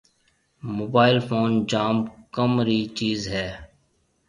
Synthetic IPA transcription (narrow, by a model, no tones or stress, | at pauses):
moːbaːɪlfʰoːnd͡ʒaːmkəmɾiːt͡ʃiːzɦɛː